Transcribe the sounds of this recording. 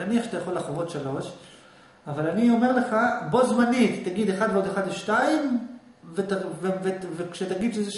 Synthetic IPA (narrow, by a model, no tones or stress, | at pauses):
aniaχat̪ajaχo̞laχovo̞t̪ʃalo̞ʃ | avalanio̞me̞ʁle̞χabo̞zmanit̪ːaɡid̪eχad̪veod̪eχad̪veʃtaim | vet̪avevevekʃet̪aɡid̪ʃeze